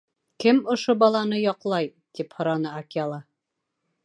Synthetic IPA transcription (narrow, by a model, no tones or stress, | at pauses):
kɘmŏʃobɒlˠɑnɤjɒqlˠɑj | t̪iphŏɾɑnɤakʲalˠɑ